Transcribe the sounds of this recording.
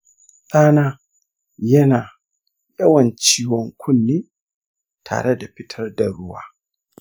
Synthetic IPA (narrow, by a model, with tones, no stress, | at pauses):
saː˦naː˦ | jɐ˦naː˨ | jɐ˦wɐ˨nt͡ʃiː˦wɔ˦ŋkʷʰʊ˦nːiː˦ | tʰa̰ː˨ɽe˦da˨ɸɪ˦tʰɐ˦rda˨ɽʊ˦wa̰ː˦